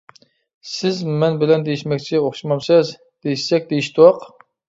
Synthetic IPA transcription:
sɪzmɛnbɪlɛnd̪ejiʃmɛkʲt͡ʃʰioχʃimɑmsɨz | d̪̥ejiʃsɛk̚ʲd̪ejiʃt̪ʰuwɑq

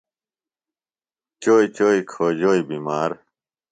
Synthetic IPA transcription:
t͡ɕoːit͡ɕoːikʰoːd͡ʑoːibiːmaːɾ

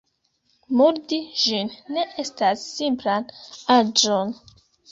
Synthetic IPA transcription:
muɾdiʒinːe̞ʔe̞stasːimplanad͡ʒon

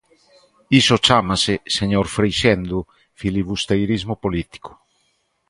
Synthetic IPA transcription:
isot͡ʃamaseseɲoɾfɾejʃɛnd̪u | filiβust̪ejɾizmopolit̪i̥ko̥

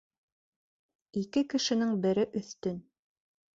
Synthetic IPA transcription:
ikɘkɘ̆ʃɘ̆nɘŋbɘ̆ɾɘʔɵ̆θt̪ɵn

